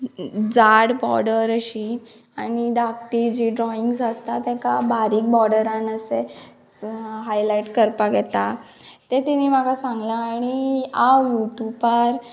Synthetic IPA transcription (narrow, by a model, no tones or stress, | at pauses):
d͡zaɽbɔɾɽəɾəɕi | añiɖ̪ak̚t̪id͡ʑiɖɾɔiŋɡsəst̪at̪ɛ̃kabaɾiːk̚bɔɾɽəɾãnəse | ɦajlaiʈkəɾpaɡɛt̪a | t̪et̪iniːm̤aɡasãŋɡlaːɽ̃iajuʈjupaɾ